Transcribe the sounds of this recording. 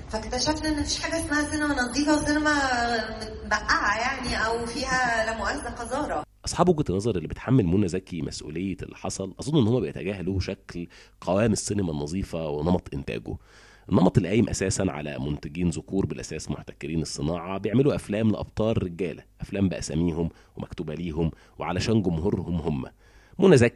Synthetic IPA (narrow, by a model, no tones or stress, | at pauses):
fækt̪æʃæflʔenːæfiːʃħaːɡæesmæhæsenemænɑzˤiːfɑsˤenæmæmet̪bæʔːaʕæjaʕniʔæwfiːhælæmoʔæszæqɑzɑːɾˤɑʔɑsˤħɑːbwɡt̪enːɑzˤɑɾˤʔelːibet̪ħamːelmunːæzæːkimʔæ̰sʔṵːlejːeḛlːiħɑsˤɑlʔɑzˤonːʔenːhomːæbejet̪æɡæːhæluːʃæklqæwæːmesːenemænːɑzˤiːfɑwenɑmɑt̪ˤʔent̪æ̰ːɡo̰ | ʔenːɑmɑt̪ˤelːʔæːjːemʔæ̰sæːsænʕa̰læ̰mont̪æɡiːnzʊkuːɾbelʔæsæːsmoht̪ækeɾiːnesˤːenɑːʕɑbejeʕmeluʔæflæːmleʔɑ̰b̥̚t̪ˤɑːɾˤːeɡæːlæʔæflæːmbæʔæ̰sæmiːɦom | wemæ̰kt̪uːbæliːɦom | weʕalæʃæːnɡomɦuɾˤhomɦomːæ̰ | monæzæːki